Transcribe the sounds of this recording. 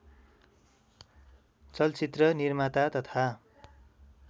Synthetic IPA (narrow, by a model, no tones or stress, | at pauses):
t͡sʌlt͡sit̪rʌnirmat̪at̪ʌt̪ʰa